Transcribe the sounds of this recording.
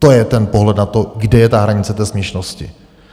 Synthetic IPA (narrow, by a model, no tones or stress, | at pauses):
t̪ojɛt̪ɛnpoɦlɛd̪nat̪oɡdɛjɛt̪aɦɾaɲɪt͡sɛt̪ɛːsmɲɛʃnoscɪ